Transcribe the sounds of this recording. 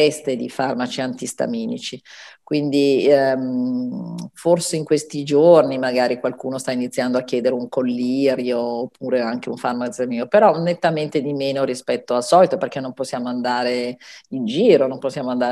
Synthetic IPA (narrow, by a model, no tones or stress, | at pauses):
ɛst̪ed̪ifarmat͡ʃiant̪ist̪a̰miːnḭt͡ʃi | kwind̪im | forseiŋkwest̪id͡ʒornimaɡaːɾikwalkuːnost̪ainit̪sːjand̪oakʲːjɛːd̪eɾeuŋkolːiːɾjoːpːuːɾeaŋk̟euɱfarmasamiːopeɾɔnet̪ːament̪ed̪imeːnoɾispɛt̪ːoalsɔːlit̪operk̟enːomposːjaːmoand̪aːɾeind͡ʒiːɾonomposːjaːmoand̪aː